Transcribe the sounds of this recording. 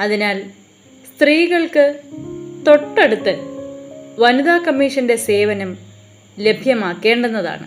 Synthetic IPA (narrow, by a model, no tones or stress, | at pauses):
ɐðinaːl | st̪riːɣɐɭkɨ | t̪o̞ʈːeɽut̪ːɨ | ʋɐnuðaːkɐmːiːʂɐnde̞se̞ːʋɐnɐm | le̞bʱjɐmaːkːe̞ːɳɖenːɐða̰ːɳɨ̰